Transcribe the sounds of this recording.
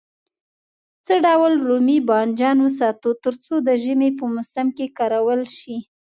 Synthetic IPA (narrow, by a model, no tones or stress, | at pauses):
t͡səɖawəlɾumibɑnd͡ʒɑnwəs̬ɑt̪ut̪əɾt͡sod̪əʒəmepəmʊsamkekɑɾawəlʃi